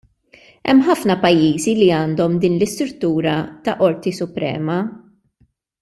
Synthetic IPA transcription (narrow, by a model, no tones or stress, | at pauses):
ɛ̰mːħɐfnɐpɐjːiːziliɐːnd̪ɔmd̪iːnlɪst̪ɾʊt̪ːuːɾɐt̪ɐʔɔɾt̪isʊpɾɛ̰ːmɐ